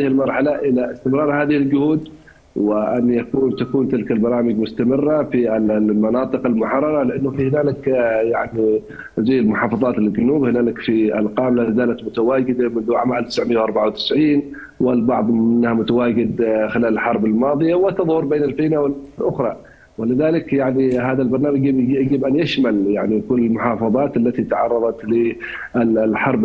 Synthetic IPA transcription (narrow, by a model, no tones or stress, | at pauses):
aɪhɪlmɑɾˤħalaʔɪlaʔɪst̪ɪmɾˤɑːɾˤhaːðɪhɪld͡ʒʊhuːd̪ | wɪʔanːjakuːnt̪akuːnt̪ɪlkalbɑɾˤɑːmɪɡmʊst̪amɪrːafilmɑnɑːt̪ˤɨqalmʊħɑrˤːɑɾˤɑlɪʔanːʊfihɪnaːlɪkjaʕni | zajːɪlmʊħɑːfɑðˤɑːt̪ɪld͡ʒʊnuːbhɪnaːlɪkfiʔa̰lqɑːmlalɪzaːlat̪mʊt̪awaːɡɪd̪amʊnðuʕaːmaalt̪ɪsʕmɪjːwʔɑɾˤbaʕawt̪ɪ̥sʕiːn | wɪlbɑʕðˤmɪnːhamʊt̪awaːɡɪd̪xɪlaːlɪlħɑɾˤbɪlmɑːðˤɨjawɪt̪ɑðˤhʊɾˤbeːnɪlfiːnawɪllʔʊxɾˤɑ | wɪlɪðaːlɪkjaʕniɦaːðalbɑɾˤnaːmaɡɡibʔanjaʃmaljaʕnikʊlːɪlmʊħɑːfɑðˤɑːt̪alːat̪it̪aʕɑrˤːɑðˤɑt̪lɪ | ɪlħɑɾˤb